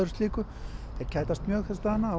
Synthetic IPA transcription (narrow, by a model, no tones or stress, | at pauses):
ʏɾʏ̥st̪liːkʏ | θɛɾ̥cʰaːjt̪ast̪mjœːɣθɛst̪ahanːaː